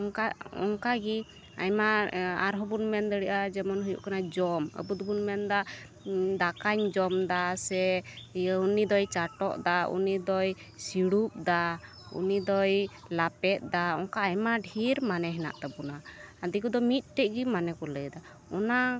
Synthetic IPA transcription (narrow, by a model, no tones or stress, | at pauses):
ɔŋkaɔ̰ŋkaɡi | a̰jmaa̰ɾɦɔbunmɛnd̪əɽɛʔad͡ʒɛmɔnɦujṵʔkanad͡ʒɔmə̰but̪bunmɛnd̪a | d̪akaɲd͡ʒɔmd̪asɛ | unid̪ɔjt͡ʃaʈɔʔd̪aṵnid̪ɔj | siɽup̚d̪a | ṵnid̪ɔj | lapɛt̪̚d̪aɔŋkaːjmaɖʱiɾmanɛɦɛna̰ʔt̪ɛbunaad̪ikud̪ɔmit̪̚ˀʈɛʔ̚ɡimanɛkɔləd̪a | ɔna